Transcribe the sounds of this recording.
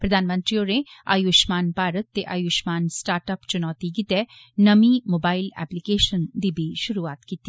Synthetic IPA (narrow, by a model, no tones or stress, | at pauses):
pɾɐd̪ʱaːnmə̃nt̪ɾioːɾea̰ːjuːʃmaːnpaːɾət̪ːeʔa̰ːjuːʃmaːnsʈaːɾʈəpt͡ʃʊnɔːt̪ikɪt̪ɛ | nɐmimoːbaːɪlɛ̰ːplikeːʃənd̪ibʱiʃʊɾuaːt̪kit̪i